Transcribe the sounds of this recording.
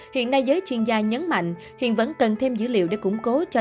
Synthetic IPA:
hḭ˧˨ənːa˧jzəː˨˦jt͡ɕwi˧ənzaː˧ɲə˨˦nma̰˧˨jŋ̟ | hḭ˧˨ənvə̰˧˥nkə˨˩nt̪ʰe˧mzɨ̰˧˥lḭ˧˨wɗe˧˩kʊ̰˧˥ŋ͡mko˨˦t͡ɕɔ˧

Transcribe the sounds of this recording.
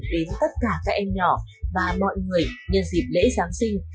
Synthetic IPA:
ɗe˨˦nt̪ə˦˥t̚kaː˧˩kaː˦˥k̚ʔɛ˧mɲɔ˧˩vaː˨˩mɔ̰˧˨jŋɨ˨˩əjɲə˧˨nzḭ˨˩p̚lḛ˧˥zaː˨˦ŋsï˧ŋ̟

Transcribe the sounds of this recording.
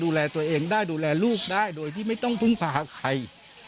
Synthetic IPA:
duː˧lɛː˧t̪u˧ɐʔeː˧ŋdaː˥˩jduː˧lɛː˧luː˥˩k̚daː˥˩jdoː˧jt̪ʰiː˥˩ma˥˩jt̪ɔ˥˩ŋpʰɯ˧˥˩ŋpʰaː˧˩a˧kʰa˧j

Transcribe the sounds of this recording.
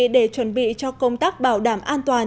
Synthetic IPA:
ɗe˧˩t͡ɕwə˨˦nɓḭ˧˨t͡ɕɔ˧kə˧wŋ͡mt̪aː˦˥k̚ɓaː˧˩wɗaː˧˩mʔaː˧nt̪waː˨˩n

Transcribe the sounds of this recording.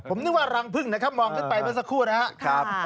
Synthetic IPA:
pʰo˩˦nɯ˥k̚waː˥˩ɾa˧ŋpʰɯ˥˩ŋna˦˥kʰa˦˥p̚mɔː˧ŋt̪̚ʰpa˧jma˦˥˩s̬a˧kʰuː˥˩na˦˥ɦa˦˥kʰa˦p̚

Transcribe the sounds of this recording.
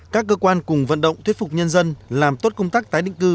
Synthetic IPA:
kaː˦˥kːəː˧kwaː˧nkʊ˨˩ŋ͡mvə̰˧˨nɗə̰˧˨wŋ͡mt̪wi˦˥t̚fʊ˨˩k͡p̚ɲə˧nzə˧nlaː˨˩mt̪o˦˥t̚kə˧ŋ͡mt̪aː˦˥k̚t̪aː˨˦jɗḭ˧˨ŋ̟kɨ˧

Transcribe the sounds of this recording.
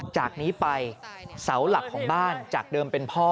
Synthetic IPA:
t͡ɕaː˨˩k̚niː˦˥pa˧jsa˩˦wla˨˩kʰːɔː˩˦ŋbaː˥˩nt͡ɕaː˨˩k̚dɤː˧mpe˧npʰɔː˥˩

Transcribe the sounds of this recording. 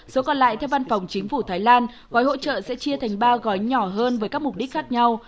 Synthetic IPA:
so˨˦kɔ˨˩nla̰ː˧˨jt̪ʰɛ˧wvaː˧nfa˨˩wŋ͡mt͡ɕï˨˦ŋ̟fu˧˩t̪ʰaː˨˦jlaː˧n | ɣɔ˨˦jɦo̰˧˥t͡ɕə̰ː˧˨sɛ̰˧˥t͡ɕi˧ət̪ʰɛ˨˩jŋ̟ɓaː˧ɣɔ˨˦jɲɔ˧˩ɦəː˧nvəː˨˦jkaː˦˥k̚mʊ˨˩k͡p̚ɗi˦˥k̟̚xaː˦˥k̚ɲa˧w

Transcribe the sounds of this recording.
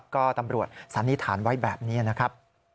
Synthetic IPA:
p̚kɔː˥˩t̪a˧mɾu˨˩ət̪̚sa˩˦nːi˦˥t̪ʰaː˩˦nwa˦˥jbɛː˨˩p̚niː˦˥ɐna˦˥kʰɾa˦˥p̚

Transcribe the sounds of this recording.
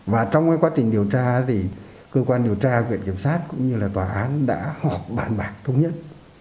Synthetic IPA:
vaː˨˩t͡ɕwŋ͡mkaː˨˦jkwaː˨˦t͡ɕï˨˩ŋ̟ɗi˨˩əwt͡ɕaː˧t̪ʰi˨˩ | kəː˧kwaː˧nɗi˨˩əwt͡ɕaː˧vwḭ˧˨ənki˧˩əmsaː˦˥t̚kʊ̰˧˥ŋ͡mɲɨ˧laː˨˩t̪waː˨˩ʔaː˨˦nɗa̰ː˧˥hɔ˨˩p̚ɓaː˨˩nɓaː˨˩k̚t̪ʰə˧wŋ͡mɲə˦˥t̚

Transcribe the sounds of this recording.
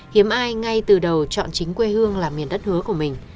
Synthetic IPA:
hi˨˦əmʔaː˧jŋa˧jt̪ɨ˨˩ɗə˨˩wt͡ɕɔ̰˧˨nt͡ɕï˨˦ŋ̟kwe˧hɨ˧əŋlaː˨˩mːi˨˩ənɗə˦˥t̚hɨ˨˦əku˧˩əmï˨˩ŋ̟

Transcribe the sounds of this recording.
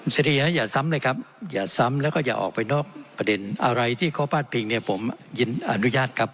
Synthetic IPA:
se˧˩ɾi˧˩naː˦˥jaː˨˩sa˦˥mlɤː˧jkʰa˦˥p̚jaː˨˩sa˦˥mlɛ˦˥wkɔː˥˩jaː˨˩ʔɔ̰ː˨˩k̚pa˧jnɔː˥˩k̚pɾa˧de˧nʔa˧ɾa˧jt̪ʰiː˥˩kʰɔː˥˩pʰaː˥˩t̪̚pʰeː˧ŋni˥˩ɐpʰo˩˦mji˧nʔa˧nu˦˥jaː˥˩t̪̚kʰa˦˥p̚

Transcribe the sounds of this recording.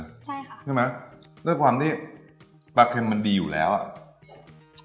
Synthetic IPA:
t͡ɕʰt͡ɕʰɯː˥˩ma˦˥jɾɯ˥˩əkʰwaː˧mt̪ʰiː˥˩ | baː˧kʰe˧mːa˧ndiː˧juː˨˩lɛ̰ː˦˥wʔa̰˨˩

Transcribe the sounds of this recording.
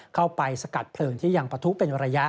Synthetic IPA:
kʰa˥˩wpa˧jsa˧ka˨˩t̪̚pʰlɤː˧ŋt̪ʰiː˥˩ja˧ŋpɾa˧t̪ʰu˦˥pe˧nɾa˧ja˦˥

